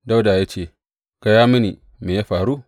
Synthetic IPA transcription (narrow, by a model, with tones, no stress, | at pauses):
da˦wdaː˨jaː˦t͡ʃeː˦˨ | ka˨jaː˦mi˦ni˨ | meː˨ja˦ɸaː˨ɾu˦